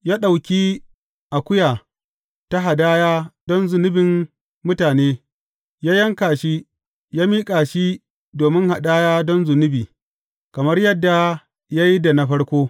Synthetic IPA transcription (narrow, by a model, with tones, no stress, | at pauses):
jaː˦ɗa˨wkʲiː˦ | ʔa˨kʷʊ˦jaː˨ | ta˦ɦa˨daː˦jaː˦dɔ˦nzʊ˨nɪ˦bɪ˨m | mʊ˦taː˨neː˦ | jaː˦jɐ˦ŋkaː˨ʃi˦ | jaː˦miː˦kʼaː˨ʃi˦ | doː˨mɪ˦ŋha˨ɗaː˦jaː˦dɔ˦nzʊ˨nɪ˦biː˨ | kɐ˨mɐ˦rjɐ˦dːa˨ | jaː˦ji˦da˨na˦ɸɐ˦ɽkʷoː˦